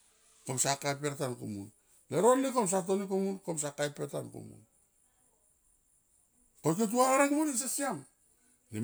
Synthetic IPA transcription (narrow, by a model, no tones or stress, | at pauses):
komsakajp̬eɾtankṵmṵn | leɾo̞nːikoms̬at̬onikumunkoms̬akajpeɾtankṵmṵn | kok̬et̬uaɾaɾekmunins̬esiam | ni